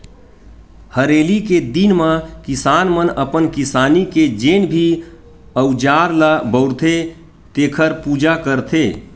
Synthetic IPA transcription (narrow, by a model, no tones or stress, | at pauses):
həɾeːliked̪inmãkɪsaːnmənəpənkɪsaːniked͡ʒeːnbʱi | əʊd͡ʒaːɾlabəʊɾt̪ʰe | t̪eːkʰəɾpuːd͡ʒakəɾt̪ʰeː